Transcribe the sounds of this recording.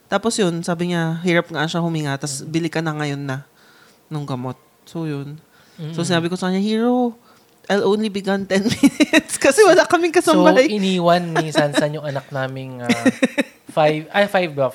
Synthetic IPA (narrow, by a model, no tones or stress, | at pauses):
t̪aːposjonsaːbɪɲaɦiːɾɐp̚ŋɐʔanʃahʊmiŋat̪ɐsbɪlɪkɐnɐŋɐjo̞nːɐ | nʊŋɡɐmo̞t̪̚ | soːjon | sosɪnaːbɪkosɐkɐnɲːahiːɹo | ʔajlʔõwnlibɪɡɐnt̪ɛnmɪɪt̪skɐsɛwɐlakɐmɪŋkɐsɐombajʔɪniːwɐnminsɐnsɐnjʊŋɐnɐk̚naːmɪŋa | fajvajfajvbɹaf